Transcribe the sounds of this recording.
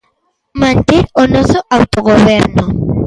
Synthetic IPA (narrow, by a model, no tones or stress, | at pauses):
mant̪iɾonosoʔawt̪oɣoβɛɾno